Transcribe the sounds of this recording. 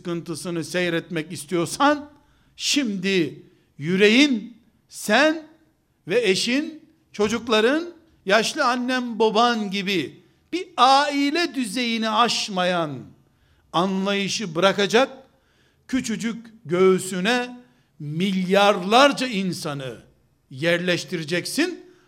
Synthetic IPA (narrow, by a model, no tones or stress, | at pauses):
kɯnt̪ɯsɯnɯsɛjɾɛt̪mɛcist̪ʰijo̞ɾsan | ʃimd̪i | jyɾe̞jin | sæn | vɛeʃin | t͡ʃʰo̞d͡ʒuklˠaɾɯn | jaʃlˠɯanːɛmbo̞banɟibi | b̥iaːilʲɛd̪yze̞jiniaʃmajan | anlˠajɯʃɯbɯɾakad͡ʒak̚ | cʰyt͡ʃyd͡ʒycʲɟø̞ːsynɛ | milʲjaɾlˠaɾd͡ʒainsanɯ | jæɾlʲɛʃt̪ʰiɾed͡ʒɛcsin